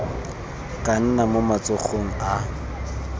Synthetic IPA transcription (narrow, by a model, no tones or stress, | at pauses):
kʼan̩namomat͡sʼʊχoŋ̩a